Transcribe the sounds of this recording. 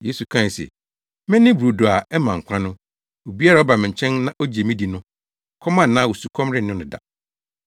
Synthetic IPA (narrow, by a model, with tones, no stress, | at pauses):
je˦su˨kʰã˦˨sḛ˨ | mɪ̃˦nɪ̃˦bɾu˨do˨a˨ɛ˦mã˨ŋ̩˨kʷʰã˦nʊ̃˦ | o˨bi˦a˦ɾa˨˦ɔ˦ba˨mɪ̃˨ɲ̩˨t͡ɕʰɛ̃˦nːã˦ʔo˦d͡ʑi˨e˨mĩ˦di˨nʊ̃˦ | kʰɔ˦mã˦n̩˨nã˦wo˨su˨kʰɔ̃˦mɾɪ˦nʊ̃˦nɪ̃˨da̰˨